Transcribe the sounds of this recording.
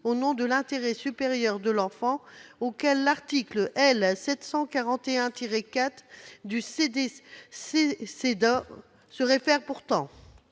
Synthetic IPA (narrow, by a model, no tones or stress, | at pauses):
onɔ̃d̪əlɛ̃t̪eʁɛsypeʁjœʁd̪əlɑ̃fɑ̃okʲɛlːaʁt̪ikləʔɛlsɛt̪sɑ̃kaʁɑ̃t̪eɛ̃t̪iʁekat̪χd̪ysed̪esesed̪a | səʁefɛʁpuʁt̪ɑ̃